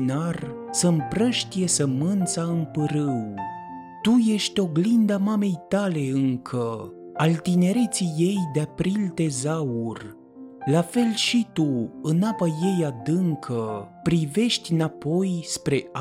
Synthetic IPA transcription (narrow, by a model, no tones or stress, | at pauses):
narsəmpɾəʃt̪ije̞səmɨnt̪saɨmpɨɾɨw | t̪uje̞ʃt̪ʲo̞ɡlind̪amame̞jt̪ale̞ɨŋkʰə | alt̪ine̞ɾet̪sije̞jd̪eapɾilt̪e̞zaur | lafe̞lʃit̪uɨnapaje̞jad̪ɨŋkʰəpɾive̞ʃt̪ʲnapo̞jspɾe̞a